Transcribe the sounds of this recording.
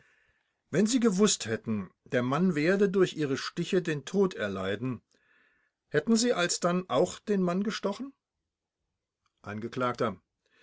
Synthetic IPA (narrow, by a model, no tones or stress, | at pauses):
vɛnziːɡəvʊsthɛtn̩d̥eːɐmanveːɐdədʊɐçʔiːʁ̞əʃtɪçədeːntʰoːtʰɛɐlaɪdn̩ | hɛtn̩ziːʔalsd̥anʔaʊxd̥eːnmanɡəʃtɔχn̩ | ʔa̰nɡəkl̥aːktɐ